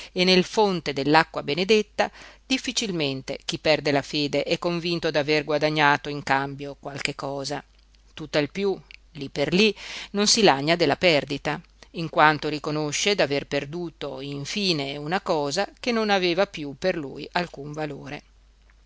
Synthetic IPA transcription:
enːelfont̪ed̪elːakːwabened̪et̪ːad̪̥ifːit͡ʃilment̪ḛk̟ipːɛrd̪elafeːd̪eʔɛkːoɱvint̪od̪averɡwad̪aɲːaːt̪oiŋkambjokwalkekːɔːza | t̪ut̪ːailpjulipːerlinonsilaɲːad̪elːapɛrd̪it̪a | iŋkwant̪oɾikonoʃːed̪averperd̪uːt̪oiɱfiːneunakɔːzak̟enːonaveːvapjupːerlṵːjalkuɱvaloːɾe

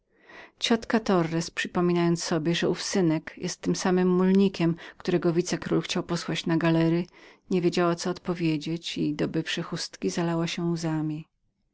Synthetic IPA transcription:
t͡ɕɔt̪kat̪ɔɾːɛspʂɘpɔmʲinajɔnt̪ssːɔbʲjɛʐɛufsɘnɛkjɛst̪ːɘmsamɘmːulɲikʲɛmkt̪uɾɛɡɔvʲit̪sɛkɾulxt͡ɕawpɔswat͡ɕnaɡalɛɾɘɲevʲjed͡ʑawat̪sɔːt̪pɔvʲjed͡ʑet͡ɕid̪ɔbɘfʂɘxust̪kʲizalawaɕɛuzamʲi

